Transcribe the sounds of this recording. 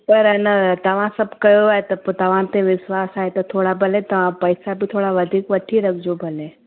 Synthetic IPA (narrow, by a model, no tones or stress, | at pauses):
pɐɾnɐt̪ɐʋ̤ãsɐbkɐjoaːet̪ɐpt̪ɐʋ̤ãt̪ẽʋɪʃwaːsaːɦet̪ɐt̪ʰoːɽabʱɐlẽt̪ɐʋ̤ãpɐɪsabʱit̪ʰoːɽaʋɐd̪ʱiːkʋɐʈʰiɾɐkʰd͡ʒobʱɐlẽː